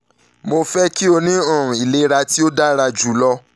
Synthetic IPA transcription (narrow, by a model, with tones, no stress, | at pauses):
mo˧fɛ˦ki˦o˧nĩ˦ɔ̃˦˨ũ˨i˨le˨˦ɾa˧ti˦o˦da˦ɾa˧d͡ʒu˨˦lɔ˦